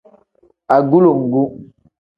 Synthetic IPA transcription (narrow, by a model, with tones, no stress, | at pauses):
a˨ɡu˦lo˨ŋ̩˨ɡu˦